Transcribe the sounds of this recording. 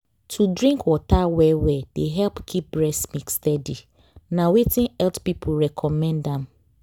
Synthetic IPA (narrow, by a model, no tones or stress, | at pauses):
tʰudɹĩŋkwɔtawɛwɛd̥eɦɛlpkʰip̚bɹɛsmikstɛdi | nãwetʰĩnɛltpipʰʊlɹɛkʰɔmɛ̃ndɛ̃m